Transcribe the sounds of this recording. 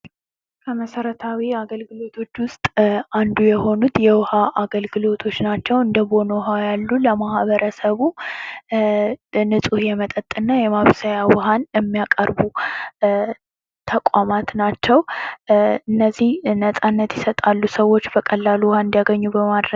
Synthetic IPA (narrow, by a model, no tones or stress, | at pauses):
kʰəməsəɾət̪ʰawiaɡəlɡɨlo̞t̪ʰo̞t͡ʃːwʊst̪ʼand̪ujɛho̞nut̪jɛwhaʔaɡəlɡɨlo̞t̪ʰo̞t͡ʃːnat͡ʃːɛwɨnd̪əbo̞nowɦajalːuləmahβəɾəsəβu | nɨsʼuhjɛmət̪ʼət̪ʼːɨnːajɛmaβsajawɔɦanjɛmːijakʼəɾbu | t̪ʰəkʷʼamat̪nat͡ʃːɛw | ɨnːəzːihnəsʼanːət̪jɛsət̪ʼalːusəwo̞t͡ʃːbəkʼəlːaluwhaɨnd̪ijaɡəɲːubəmad̪ɾə